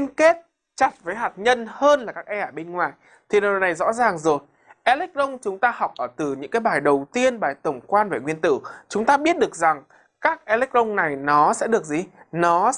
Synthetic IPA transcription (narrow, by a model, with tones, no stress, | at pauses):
nke˦˥t̚ | t͡ɕa˨˩t̚vəː˨˦jɦaː˨˩t̚ɲə˧nhəː˧nlaː˨˩kaː˦˥k̚ʔɛ˧ʔaː˧˩ɓe˧nŋwaː˨˩j | t̪ʰi˨˩ɗna˨˩jzɔ̰˧˥zaː˨˩ŋzo˨˩j | ʔɛ˧lɛ˦˥k̚ʔə˧wŋ͡mt͡ɕʊ˨˦ŋ͡mt̪aː˧hɔ˨˩wk͡p̚ʔəː˧˩t̪ɨ˨˩ɲɨ̰˧˥ŋkaː˨˦jɓaː˨˩jɗə˨˩wt̪i˧ənɓaː˨˩jt̪ə˧˩wŋ͡mkwaː˧nve˨˩ŋwi˧ənt̪ɨ̰˧˩˨t͡ɕʊ˨˦ŋ͡mt̪aː˧ɓi˦˥ət̚ɗɨ˨˩ək̚za˨˩ŋ | kaː˦˥k̚ʔɛ˧lɛ˦˥k̚ʔə˧wŋ͡mna˨˩jnɔ˨˦sɛ̰˧˥ɗɨ˨˩ək̚zi˨˩nɔ˨˦